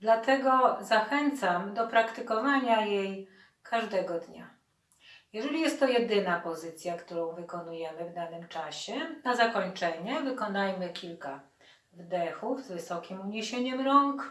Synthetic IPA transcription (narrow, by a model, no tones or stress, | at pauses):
d̪lat̪ɛɡɔzaxɛnt̪samd̪ɔpɾakt̪ɘkɔvaɲajej | kʰaʐd̪ɛɡɔd̪ɲa̰ | jɛʐɛlʲijɛst̪ːɔjɛd̪ɘnapɔzɘt̪sʲjakt̪uɾɔ̃w̃vɘkɔnujɛmɘvd̪anɘmt͡ʂaɕɛnazakɔɲt͡ʂɛɲɛvɘkɔnajmɘkʲʰilka | vd̪ɛxufzvɘsɔkʲimuɲeɕeɲɛmɾɔŋk